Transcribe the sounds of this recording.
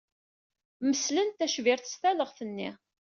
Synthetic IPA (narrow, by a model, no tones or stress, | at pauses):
məslənt̪æʃvɪɾθə̥st̪æləʁθənːḭ